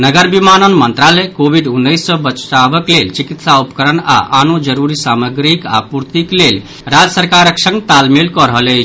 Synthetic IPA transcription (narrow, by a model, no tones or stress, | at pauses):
nəɡəɾbimanənmənt̪ɾalɛkobʱiɖunːəjsːə̃bət͡ʃʈabəklelt͡ʃikit̪saupə̥kəɾəna̰ʔanod͡ʒəɾuɾisaməɡɾika̰puɾt̪iklel | ɾad͡ʒəsəɾkaɾəksə̃ŋɡt̪almelkɔɾəɦələt͡ʃʰ